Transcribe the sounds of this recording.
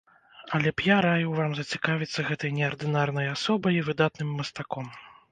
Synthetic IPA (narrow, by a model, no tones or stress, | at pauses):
ɐlʲɛpjaɾajuwvamzɐt͡sʲikavʲit̪sːɐɣɛt̪ɐjnʲɛɐrd̪ɨnarn̪ɐjasɔbɐjivɨd̪at̪nɨmːɐst̪akɔm